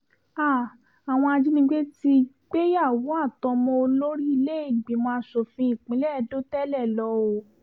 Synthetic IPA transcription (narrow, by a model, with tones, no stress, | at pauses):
a˦˨ | a˨w̃ɔ̃˧a˧d͡ʒi˦nĩ˧˦ɡ͡be˦ti˧ | k͡pe˦ja˦˨wu˨˦a˦˨tɔ˧mɔ̃˧o˧lo˦ɾi˦i˧le˦e˦˨ɡ͡bi˨˦mɔ̃˧a˧˦so˨fĩ˧˦i˦˨k͡pĩ˨˦lɛ˦ɛ˧do˦tɛ˦lɛ˦˨lɔ˧o˨